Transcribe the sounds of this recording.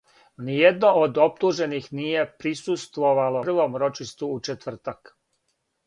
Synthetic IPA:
nijed̪no̞ʔod̪o̞p̚t̪uːʒe̞nixnije̞pɾisust̪ʋo̞ʋalorʋo̞mɾo̞t͡ʃiʃt̪ʋuut͡ʃet̪vr̩t̪ak

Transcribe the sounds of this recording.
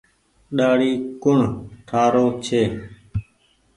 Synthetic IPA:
ɗaːɽiːkʊɳ̤ʈ̪ʰaːɾoːt͡ʃʰeː

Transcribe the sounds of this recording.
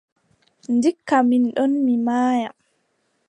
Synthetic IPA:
ndikːaminɗɔnmimaːja

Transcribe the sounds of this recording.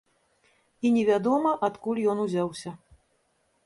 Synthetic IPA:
inʲɛvʲad̪ɔmɐʔat̪kulʲjɔnuzʲawsʲɐ

